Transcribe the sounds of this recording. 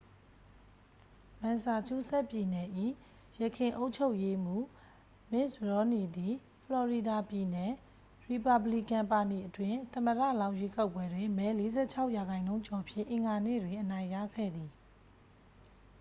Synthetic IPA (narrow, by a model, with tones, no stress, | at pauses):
mã˨nsa˨t͡ɕʰu˦˨sɛ˦ʔpji˨nɛ˨ʔḭ˦˨ | jə˨kʰɪ̃˨ʔo˦ʊʔt͡ɕʰo˦ʊʔje˦m̥u˦˨ | mɪ˦˨sɹɔ˨˦ni˨d̪i˨ | pʰəlɔ˨ɹi˨da˨pji˨nɛ˨ | ɹi˨pa˨bli˦˨kã˨mpa˨ti˨ʔətwɪ̃˨t̪ə̃˨mədä̰˦˨lã˦ʊ̃jwe˦ka˦ʊpwɛ˦dwɪ̃˨mɛ˨˦le˦zɛ̰˦˨t͡ɕʰa˦ʊʔja˨ɣã˨ɪ̃nõ˦ʊ̃t͡ɕɔ˨pʰjɪ̰̃˦˨ʔɪ̃˨ŋɡa˨nḛ˦˨dwɪ̃˨ʔənã˨ɪ̃jä̰˦˨ɡʰɛ̰˦˨d̪i˨